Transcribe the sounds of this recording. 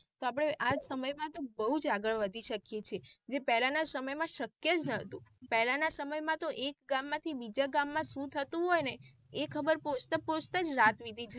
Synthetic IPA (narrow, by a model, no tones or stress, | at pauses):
t̪oapɽ̃eʔad͡ʒsəməjmãt̪obəɦud͡ʒaɡəɭʋəd̪ʱiʃəkjet͡ʃʰed͡ʒepɛɦlanasəməjmãʃəkjed͡ʒnət̪ũpɛɦlanasəməjmãt̪oʔekɡamːãt̪ʰibid͡ʒaɡamːãsũt̪ʰət̪ũɦojne | ekʰəbəɾpot͡ʃʰt̪əpot͡ʃʰt̪ad͡ʒɾat̪ʋid̪ʱit͡ʃʰe